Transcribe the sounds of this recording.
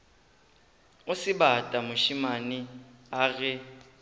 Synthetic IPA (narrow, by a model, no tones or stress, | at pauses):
ʊsɪbatʼamʊʃimaniaɣɛ